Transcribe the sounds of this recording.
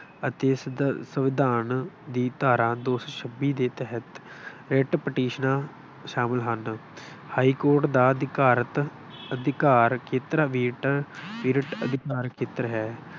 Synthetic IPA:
ət̪eːsəʋɪd̪aːnd̪iːt̪aːɾãːd̪oːsəʃʰəbiːd̪eːt̪ɛɦət̪ | ɾeːʈpəʈiːʃnãː | ʃaːmɪlɦən | haːiːkoːɾʈd̪aːd̪kaːɾət̪ | əd̪ɪkaːɾkʰet̪ɾaʋiːʈʋiːɾəʈə̰d̪ɪkaːɾkʰeːt̪ɾɦɛː

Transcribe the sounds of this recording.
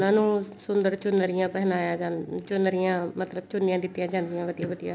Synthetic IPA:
nãːnũːsʊnd̪əɾt͡ʃʊnəɾɪjãːpɛɦnaːjaːd͡ʒaːt͡ʃʊnəɾɪjãːmət̪ləbt͡ʃʊnːɪjãːd̪ɪt̪ːijãːd͡ʒãːnd̪ɪjãːʋəd̪ijãːʋəd̪ija̰ː

